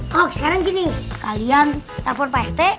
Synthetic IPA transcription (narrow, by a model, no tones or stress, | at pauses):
oksə̥kaɾaŋkinikaliant̪arpɔnpaɛst̪ɛ